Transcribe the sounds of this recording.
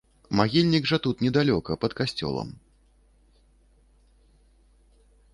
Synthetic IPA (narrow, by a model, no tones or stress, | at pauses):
maɣʲilʲnʲiɡʐɐt̪ut̪nʲɛd̪alʲɔkɐpɐt̪kasʲt͡sʲɔ̰lˠɐ̰m